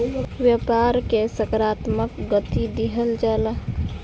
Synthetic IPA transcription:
ʋjəpaɾkesəkɾaːt̪məkɡət̪id̪iɦəld͡ʒəl

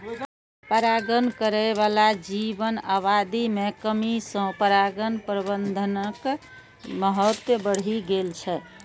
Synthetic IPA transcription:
pəɾaɡənkəɾəβalad͡ʒibənəβad̪imekəmisə̃pəɾaɡənpɾəbənd̪ʱənək | məɦət̪wəbəɽ̤iɡelt͡ʃʰɛ

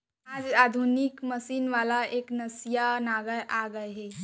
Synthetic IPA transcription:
aːd͡ʒaːd̪ʱunɪkmɐsiːnʋaːlaeːknɐsjanaːɡəɾaːɡɐeɦɛː

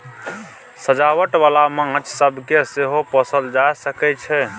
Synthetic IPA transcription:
səd͡ʒaʋəʈbalamãt͡ʃsəbʱkeseɦopəsəld͡ʒasəkɛt͡ʃʰɛ

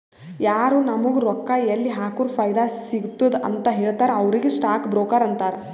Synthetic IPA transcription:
jaːɾunɐmuɡuɾɔkːaelːiɦaːkuɾpʰɐjd̪aːsiɡt̪ud̪ɐ̰nt̪ɐɦeːɭt̪aːɾeɐʋɾiɡesʈaːkbɾoːkɐɾɐnt̪aːɾe

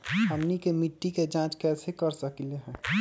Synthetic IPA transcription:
ɦəmnikemiʈːiked͡ʒãt͡ʃkɛːsekəɾsəkileɦɛ̃ː

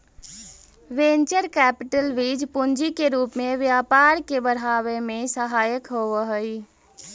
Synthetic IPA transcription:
ʋẽnt͡ʃəɾkɛːpɪʈəlʋid͡ʒpʊnd͡ʒikeɾuːpmẽʋjaːpaːɾkebəɽaːwemẽsəɦaːjəkɦoʋəɦəi

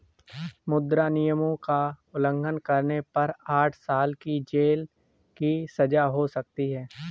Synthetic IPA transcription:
mʊd̪ɾanijəmõkaʊlə̃ŋɡʱənkɐɾnepɐɾaːʈʰsaːlkid͡ʒeːl | kisɐd͡ʒaɦosɐk̚t̪iɦɛː

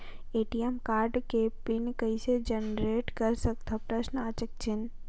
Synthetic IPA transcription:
eːʈiemkaːɾɖkepinkəised͡ʒənɾeːʈkəɾsək̚t̪ʰapɾəʃnat͡ʃək̚t͡ʃʰin

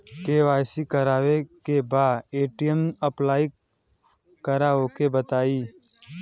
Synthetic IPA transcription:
keːʋaːsikəɾaːʋekebaːd̪eːʈijəməplaːi | kəɾaːokebət̪aːiː

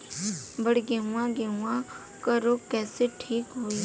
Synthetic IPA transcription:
bəɽɡeɦũãɡeɦũã | kaɾoːkːɛːseʈʰiːkɦoːiː

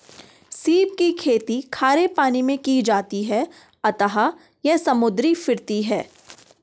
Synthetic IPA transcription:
siːb̚kikʰeːt̪ikʰaːɾepaːnimẽkid͡ʒaːt̪iɦɛ | ɐt̪əɦa | jɛɦsɐmʊd̪ɾifɪɾt̪iɦɛː

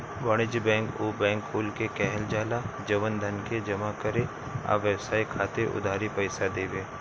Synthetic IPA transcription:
ɡəɽ̃ɪd͡ʒbɛ̃ːŋkobɛ̃ːŋkkuːlkekɛɦɛld͡ʒaːlad͡ʒəʋənd̪ʱənked͡ʒɐmakəɾe | a̰ːʋjəwsaːikʰaːt̪eʔʊ̰d̪ʱaːɾipɐɪsad̪eːʋeː

